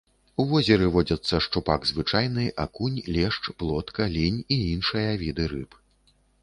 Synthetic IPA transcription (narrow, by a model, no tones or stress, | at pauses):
uvɔzʲɛɾɨvɔd͡zʲɐt̪sːɐʂt͡ʂupaɡzvɨt͡ʂajnɨʔakunʲlʲɛʂt͡ʂplˠɔt̪kɐlʲinʲiinʂɨjɐvʲid̪ɨɾɨp